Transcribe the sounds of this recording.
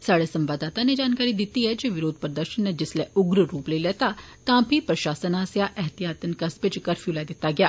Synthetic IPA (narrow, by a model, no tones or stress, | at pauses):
saːɽesɐ̃mbaːd̪aːt̪aned͡ʒaːnkaːɾid̪ɪt̪iɦɛd͡ʒeʋɪɾoːd̪̚ʱpəɾd̪əɾʃənːed͡ʒɪsleʊɡɾɾuːpleleːt̪at̪ãːbʱipɾɐʃaːsənaːsjaʔɛɦt̪ijaːt̪ənkɐsbɪt͡ʃkɐɾfʰjulaːd̪ɪt̪aɡɪja̰ː